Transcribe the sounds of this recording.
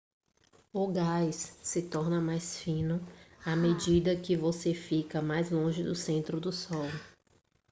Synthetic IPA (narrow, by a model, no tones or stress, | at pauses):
ʊɡajsːɪt̪ɔɾnɐmajsfĩnʊamed͡ʒid̪ɐkɪvosefikɐmajzlõʒɪd̪ʊsẽnt̪ɾʊd̪ʊsɔw